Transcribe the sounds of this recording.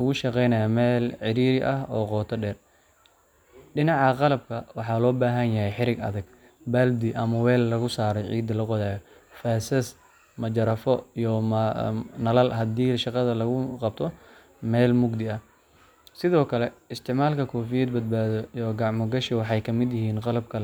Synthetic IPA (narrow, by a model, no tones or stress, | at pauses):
ʊɣʊʃɑqɛjnɐjaːmɛːlʕɪɾiːɾɪʔɐhɔ̰ːqɔːt̪ʰɐɖɛːr | ɖɪnɑʕɑqɑlɐb̚kʰɐwɑħɑlɔːbaːɦɐnjɐɦɛjħɪɾɪɡɐ̰ðɐɡ̚ | bɐld̪ɪʔɐmɐwɛːllɐɣʊsaːɾɔʕḭːd̪ɐlɐqɔðaːjɔ | faːsɐs | mɐd͡ʒɐɾɐfɔijɔmnɐlɐlɦɐd̪iːʃɑqɑðɐlɐɣʊqɑb̚t̪ʰɔ | mɛːlmʊɡd̪ɪɐh | sɪðɔːkʰɐlɛɪst̪ʰɪʕmaːlkʰɐkʰɔːfijɛd̪̚bɐd̪̚baːðɔjɔɡɑʕmɔɡɐʃɪwɑħɑjkʰɐmɪd̪jɪɦiːnqɑlɐbkʰɐ